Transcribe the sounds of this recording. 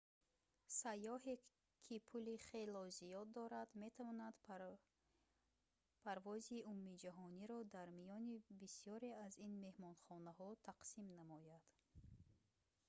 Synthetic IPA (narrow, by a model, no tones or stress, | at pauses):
sajːɔɦe | kʰipʰuliχe̞lɔzijɔd̪ːɔɾad̪me̞t̪ʰavɔnad̪ | pʰaɾvɔziumːid͡ʒaɦɔniɾɔd̪aɾmijɔnibisijɔɾeazinme̞hmɔnχɔnaɦɔt̪ʰaqsimnamɔjad̪̥